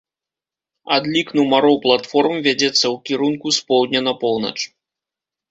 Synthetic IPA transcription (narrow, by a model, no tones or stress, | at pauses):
ad̪lʲiknuwmaɾɔwplˠat̪fɔrmvʲad͡zʲɛt̪sːɐwkʲiɾunkuspɔwd̪ʲnʲɐnɐpɔwnɐ̰t͡ʂ